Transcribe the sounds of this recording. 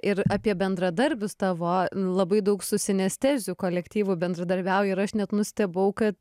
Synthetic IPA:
ɪɾɑpʲiɛbʲɛnd̪ɾɐd̪ɐɾʲbʲʊst̪ɑːʋoːlˠɐbɐɪd̪ɐʊksʊsʲɪnʲɛsʲt̪ʲæːzʲʊkoːlʲɛkt̪ʲiːʋʊbʲɛnd̪ɾɐd̪ɐɾʲbʲæʊjɛɪɾɐʃnʲɛt̪nʊsʲt̪ʲɛbɐʊkɐt̪

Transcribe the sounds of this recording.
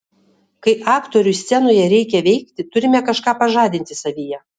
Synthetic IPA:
kɐɪʔɑːkt̪oɾʲʊsʲt̪sʲɛnoːjɛɾʲɛɪkʲɛʋʲɛɪkt̪ʲɪt̪ʊɾʲɪmʲɛkɐʃkɑːpɐʒɑːd̪ʲɪnʲt̪ʲɪsɐʋʲijɛ

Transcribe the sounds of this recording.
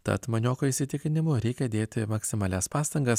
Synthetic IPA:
t̪ɐ̰t̪mɐnʲoːkoiːsʲɪt̪ʲɪkʲɪnʲɪmʊɾʲɛɪkʲɛd̪ʲeːt̪ʲɪmɐksʲɪmɑːlʲɛspɑːst̪ɐŋɡɐs

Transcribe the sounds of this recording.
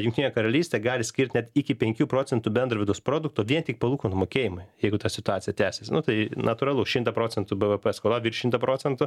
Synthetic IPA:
jʊŋkt̪ʲinʲjɛkɐɾɐlʲiːsʲt̪ʲeːɡɑːlʲɪsʲkʲɪɾʲtʲnʲɛt̪ɪkʲɪpʲɛŋʲkʲuːpɾoːt͡sʲɛnt̪ʊbʲɛnd̪rɐʋʲɪd̪ɐɔspɾoːd̪ʊk̚t̪oːʋʲiɛnt̪ʲɪk̚pɐlˠuːkoːnmoːkʲeːjɪmʊɪjɛɪɡʊt̪ɑsʲɪt̪ʊɑːtt͡sʲɪjɛt̪ʲæːsʲesʲnʊt̪ɐɪnɐt̪ʊːɾɐlˠʊʃʲɪmt̪ɐpɾoːt͡sʲɛnt̪ʊbɛʋəpɛskoːlˠɑːʋiːɾʃʲɪmt̪ɐpɾoːt͡s̪ʲɛnt̪ʊ

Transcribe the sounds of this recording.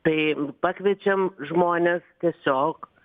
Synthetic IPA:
t̪ɐɪpɑːkʋʲiɛt͡ʃʲɛmʒmoːnʲɛst̪ʲiɛsʲoːk

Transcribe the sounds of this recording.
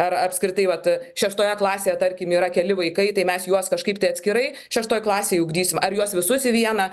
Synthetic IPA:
ɐɾɐpʲskɾʲɪt̪ɐɪʋɐt̪ʃʲɛʃt̪oːjɛklˠɑːsʲeːjɛt̪ɐɾʲkʲɪmiːɾɐkʲɛlʲɪʋɐɪkɐɪt̪ɐɪmʲɛsjuɔskɐʃkɐɪpt̪ɐɪɐt̪ʲsʲkʲɪɾɐɪ | ʃʲɛʃt̪oːjklˠɑːsʲeːjʊɡd̪ʲiːsʲɪmɐɾjuɔsʋʲɪsʊsʲɪʋʲiɛnɐ

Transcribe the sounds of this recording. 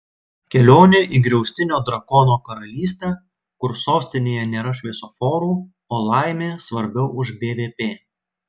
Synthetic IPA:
kʲɛlʲoːnʲeʔiːɡɾʲɛʊsʲt̪ʲɪnʲoːd̪ɾɐkɔnoːkɐɾɐlʲiːsʲt̪ʲɛː | kʊɾsoːsʲt̪ʲɪnʲeːjɛnʲeːɾɐʃʲʋʲɛɪsofoːɾuː | oːlˠɑˑɪmʲeːsʋɐɾʲbʲɛʊʊʒbʲeːʋʲeːpʲeː

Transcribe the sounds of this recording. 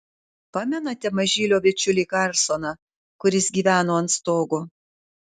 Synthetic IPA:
pɑːmʲɛnɐt̪ʲɛmɐʒʲɪlʲoːʋʲɪt͡ʃʲʊlʲiːkɐɾsonɐ | kʊɾʲɪsɡʲiːʋʲæːnoːɐnt̪st̪oːɡoː

